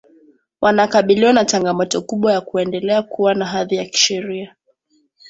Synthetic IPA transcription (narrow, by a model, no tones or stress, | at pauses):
wʔanakaɓiliwanat͡ʃaŋɡamɔtɔkuɓwajakuɛndɛlɛakuwanaɦaðijaki̥ʃɛɾia